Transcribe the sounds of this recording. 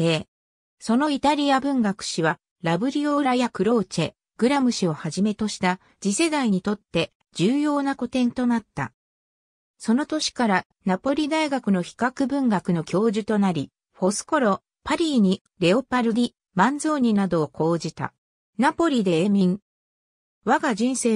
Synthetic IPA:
eː | so̞no̞it̪aɾʲiabɯ̟̃ŋɡakɯ̟̥ɕiβa | ɾabɯ̟ɾʲio̞ɾajakɯ̟ɾo̞ːt͡ɕe | ɡ̥ɯ̟ɾamɯ̟ɕio̞haʑime̞t̪o̞ɕi̥t̪a | d͡ʑise̞d̪aiɲ̟it̪o̞t̪ːe̞ | d͡ʑɨːjo̞ːnako̞t̪ẽ̞nt̪o̞nat̪ːa̰ | so̞no̞t̪o̞ɕi̥kaɾa | napo̞ɾʲid̪aiɡakɯ̟no̞çi̥kakɯ̟bɯ̟̃ŋɡakɯ̟no̞kʲo̞ːʑɨt̪o̞naɾʲi | ɸo̞sɨ̥ko̞ɾo̞ | paɾʲiːɲ̟i | ɾe̞o̞paɾɯ̟ɾʲi | mãnzo̞ːɲ̟inad̪o̞ːkʰo̞ːd͡ʑit̪a̰ | napo̞ɾʲid̪e̞eːmʲĩŋ | βaɡaʑĩɰ̃se̞ː

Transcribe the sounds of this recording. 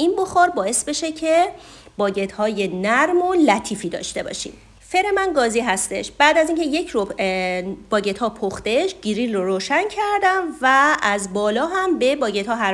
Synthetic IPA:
inboxɒːɾbɒːe̞sbe̞ʃe̞cʰe | bɒːɟe̞t̪hɒːje̞næɾmolæt̪ʰiːfiːd̪ɒ̰ːʃt̪e̞bɒ̰ːʃḭːm | fe̞ɾe̞mænɡɒːziɦæst̪e̞̰ʃb̥æːd̪æziːŋcʰe̞je̞cʰɾo | b̥ɒːɟe̞t̪hɒːpʰoxt̪e̞ʃɟ̥iɾilroɾoːʃæncʰæɾd̪æmvææzbɒːlɒːɦæmbe̞bɒːɟe̞t̪hɒːɦæ

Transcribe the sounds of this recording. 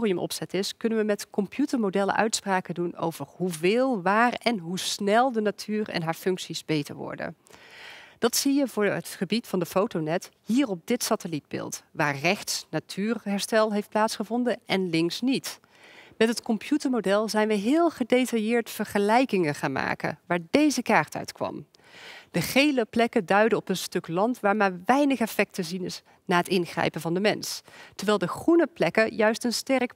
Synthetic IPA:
riəmʔɔ̰psɛtɪskɵnənʋəmɛtkɔmpʰjutəɹmodɛlə̰ʔœ̰ɥtspraːkəduno̰wv̥ərɦuvɪːlˠʋaːrɛnɦusnɛlˠdənatʰyːrɛ̰nɦaːɹfɵŋksizbejtə̰ɹʋɔ̰ɹdə̰ | d̥ɑtsijəvʊːɹətχəbitfɑndəfowtonɛthiːrɔp̚dɪtsatəlid̚bɪ̰ːlˠtʋaːɹrɛχtsnatʰyːrɦɛɹstɛlˠɦejft̚plaːtsχəvɔndənɛnlɪŋksnit | mɛtɦətkɔmpʰjutəɹmodɛlˠzɛjnʋəɦɪːlˠχədejtɑjɪːɹtfəɹχəlɛjkɪŋəχaːnma̰ːkə̰ʋaːɹdejzəkaːɹtœ̰ɥtkʋɑ̰m | d̥əχejləplɛkədœɥdəɔpənstɵklɑntʋaːɹmaːɹʋɛjnəχɛfɛk̚təzinɪs | naːɦətɪnχrɛ̰jpənvɑndəmɛnstəɹʋɛːlˠdəχrunəplɛkəjœɥstənstɛrk

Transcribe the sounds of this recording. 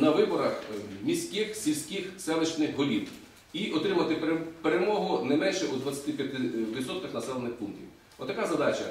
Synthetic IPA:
nɐʋɪbɔɾɐxmʲisʲkɪxsʲilʲsʲkʲɪxsɛlˠet͡ʃnɪxɦɔlʲiw | iʔɔt̪ɾɪmɐt̪ɪpeɾemɔɦʊnɛmɛnʃɛud̪ʋɐt͡sʲːɐ̥t̪ɪpʲjɐt̪ɪʋʲit̪sɔt̪kɪxnɐsɛlˠenɪxpunk̚t̪ʲḭw | ɔt̪ːɐkazɐd̪ɑt͡ʃɐ

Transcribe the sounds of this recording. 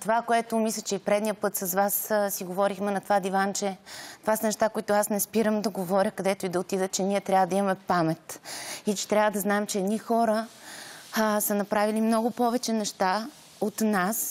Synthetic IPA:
t̪ovakoɛt̪omislʲət͡ʃɛipɾɛd̪nijəpɤt̪sɐsvassiɡovɔɾixmɛnɐt̪ovad̪ivant͡ʃɛt̪ovasənɛʃt̪akoit̪ʊasnɛspiɾəmd̪ɐɡovɔɾʲəkɐd̪ɛt̪ʊid̪ɐot̪id̪ət͡ʃɛniɛt̪ɾʲavəd̪ɐimɐmɛpamɛt̪it͡ʃɛ̥t̪ɾʲavəd̪ɐznaɛmt͡ʃɛːd̪nixɔɾə | sɐnɐpɾavilimnɔɡʊpɔvɛt͡ʃɛnɛʃt̪a | ot̪nas

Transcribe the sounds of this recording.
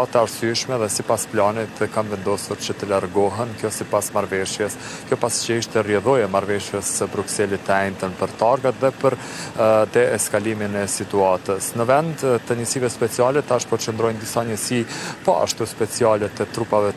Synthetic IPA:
t̪ɛaɾsyʃmɛðɛsipasplanit̪kanvɛnd̪ɔsuɾt͡ʃət̪əlaɾɡɔɦɛnkjɔsipasmaɾvɛʃjɛs | kjɔpasi̥t͡ʃəiʃt̪ɛrjɛðɔjɛmaɾvɛʃjɛsəbɾuksɛlit̪ːəɛjnt̪ənpəɾt̪aɾɡat̪ðɛpəɾ | t̪ɛɛskaliminɛsit̪uat̪əsnəvɛnd̪t̪əɲəsivɛspɛt͡sialɛt̪aʃpɔt͡ʃənd̪ɾɔjnd̪isaɲəsipɔ̰a̰ʃt̪uspɛt͡sialɛt̪ɛt̪ɾupavɛ

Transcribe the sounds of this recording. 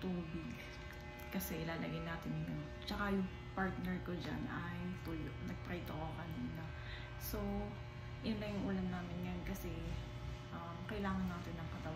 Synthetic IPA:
t̪uːbɪɡ | kɐsɛʔɪlaːlɐɡɐjnaːt̪ɪnjʊn | t͡ʃɐkajʊŋ | paɹt̪̚nɛɹkod͡ʒa̰nɐjt̪ujnɐɡ̚p̪ɾajt̪okokɐninɐ | so | jʊnlɐjʊŋʔulɐnnːaːmɪnjankɐsɛ | ʔɐmkɐjɪlaːŋɐnːaːt̪ɪnːɐŋkɐt̪ɐ

